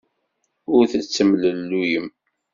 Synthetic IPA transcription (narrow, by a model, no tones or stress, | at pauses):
ʊɾθət͡sːəmləlːujəm